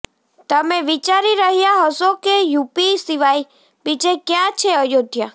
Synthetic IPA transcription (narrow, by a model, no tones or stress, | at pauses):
t̪əmẽʋit͡ʃaɾiɾəɦijaɦəsokejupisiʋaj | bit͡ʃekjãt͡ʃʰeəjod̪ʱja